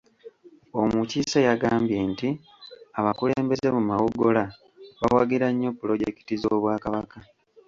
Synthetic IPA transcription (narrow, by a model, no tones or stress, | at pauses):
o̞mucisajaɡaːmbje̞ːnti | aβakuleːmbe̞ze̞mumawuɡola | βawaɡiɾaɲːo̞pːulo̞ɟe̞ki̥tizoːβwaːkaβaka